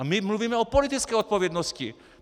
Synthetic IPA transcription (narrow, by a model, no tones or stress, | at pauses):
amimluʋiːmɛɔpɔlit̪it͡skɛjɔt̪̚pɔʋɪɛd̪nɔscḭ